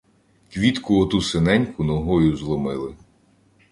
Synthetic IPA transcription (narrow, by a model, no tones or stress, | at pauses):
kʋʲit̪kʊɔt̪usenɛnʲkʊnɔɦɔjʊzlˠɔmɪlˠɪ